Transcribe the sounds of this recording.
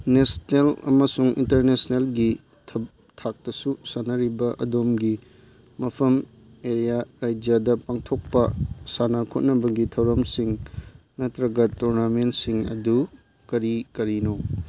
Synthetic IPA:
nesnelɐ̰mɐsuŋḭntɐɾnesnelɡi | tʰɐ | tʰak̚tɐsusanːɐɾibɐʔɐdomɡi | mɐpʰɐm | eɾijaɾajd͡ʒjadɐpaŋtʰok̚pɐsanakʰot̚nɐbɐɡitʰɐwɾɐmsiŋ | nɐtɾɐɡɐtuɾnamentsiŋɐ̰du | kɐɾikɐɾino

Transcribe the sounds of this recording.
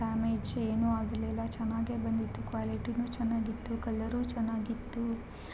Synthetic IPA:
aːmed͡ʒeːnuaːɡɐlɛlːɐt͡ʃɛnːaːɡebɐnd̪it̪ːukʋaːliʈinut͡ʃɛnːaːɡit̪ːukɐlːɐɾuːt͡ʃɛnːaːɡit̪ːu

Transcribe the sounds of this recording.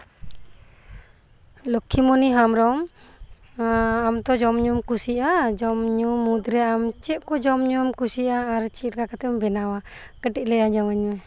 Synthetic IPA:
lɔkʰːimɔniɦamɾɔm | amt̪ɔd͡ʒɔmɲumkusiʔad͡ʒɔmɲumud̪ɾɛʔamt͡ʃɛʔkɔd͡ʒɔmɲumkusiʔaːɾt͡ʃiɾkakat̪ɛmbɛnawa | kəʈiʔ̚lɛjad͡ʒaməɲwɛ

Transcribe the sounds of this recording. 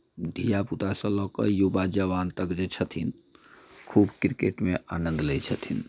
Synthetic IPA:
d̪ʱijaput̪asə̃lɔːkəɾjubad͡ʒəʋant̪əkd͡ʒet͡ʃʰət̪ʰin | kʰubkɾikeʈmeʔa̰nə̃nd̪lɛt͡ʃʰət̪ʰin

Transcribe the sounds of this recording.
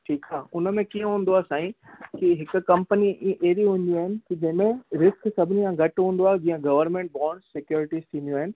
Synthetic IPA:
ʈʰiːkaːʊnəmẽkiə̃ɦũːn̆d̪oaːsãːĩkiɦɪk̆kɐ̃mpəniʔeːɾiɦũːn̆d̪iaːɦɪnɪ̆kid͡ʑɐɦɪmẽɾɪsksɐbʱɪniãɡɐʈɦũːn̆d̪oaːd͡ʑiːãɡɐʋəɾnmẽːɳʈ̚bɔ̃ːɳɖsɪkjoːɾɪʈiːst̪ʰĩːnd̪joaːɦɪnɪ̆

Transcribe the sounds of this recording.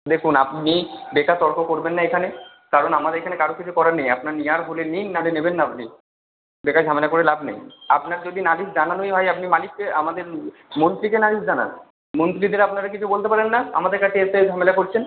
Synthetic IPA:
d̪ekʰunapnibekat̪ɔɾkʰokoɾbenːaekʰane | kaɾonamad̪eɾekʰanekaɾokit͡ɕʰukɔɾanejapnaɾnijaɾɦuleninnaɽenebenːaapni | bekad͡ʑʱamelakoɾelabnḛjapnaɾd͡ʑod̪inalisd͡ʑananoiɦɔeapnimalikːeamad̪eɾ | mont̪ɾikenalisd͡ʑana̰n | mont̪ɾid̪eɾapnaɾakit͡ɕʰubolt̪epaɾenːaa̰mad̪eɾkaʈeesed͡ʑʱamelakoɾt͡ɕʰen

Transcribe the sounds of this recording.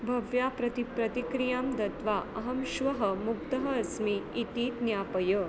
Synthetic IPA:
bʱɐʋjapɾɐt̪ipɾɐt̪ikɾijamd̪ɐt̪ʋaʔɐɦɐmʃʋɐɦɐ̆mukt̪ɐɦɐɐsmiːt̪iːd̪njaːpɐjɐ

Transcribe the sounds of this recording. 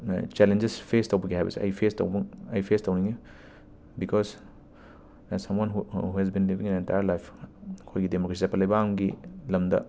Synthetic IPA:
t͡ʃɛlend͡ʒespʰestɐwbɐɡiɦajbɐ̰siʔɐ̰jpʰestɐ̰wbɐŋɐjpʰestɐwniŋi | bikʰɔs | sɐmwanɦuɦuhɛz̬binlibĩŋinentajəɾlajpʰkʰojɡidemokɾesizapʰɐlɐjbɐamɡilɐmdɐ̰

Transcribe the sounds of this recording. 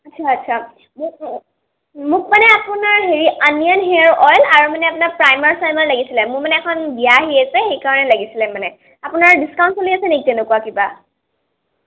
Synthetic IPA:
atːsʰaːtːsʰa | mʊ | mʊk̚manɛapʊnaɹɦeɹianijɔnɦeɹʔɔjlaɹumanɛapʊnaɹpɹajmaɹsajmaɹlaɡisilɛmʊɹmanɛɛkʰɔnbijaɦijasɛxejkaɹɔnɛlaɡisilɛmanɛ | apʊnaɹdiskaw̃nsoliasɛnekitɛnʊkuakiba

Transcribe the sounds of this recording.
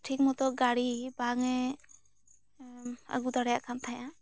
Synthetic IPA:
ʈʰik̚mɔt̪ɔɡaɽibaŋɛ | ə̰ɡud̪aɽjaʔkʰamt̪ʰajã

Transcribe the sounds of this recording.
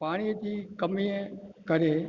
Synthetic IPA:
paːɽ̃it̪ʰikəmiekəɾe

